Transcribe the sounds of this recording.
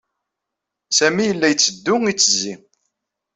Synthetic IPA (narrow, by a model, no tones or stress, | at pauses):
sæmijəlːæjət͡sːəd̪ːʊŋit͡sːəzi